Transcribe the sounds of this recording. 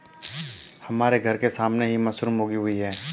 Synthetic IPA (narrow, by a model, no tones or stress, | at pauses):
hɐmaːɾeɡʱɐɾkesaːmneɦimɐsɾuːmɦoːɡiɦʊiɦɛː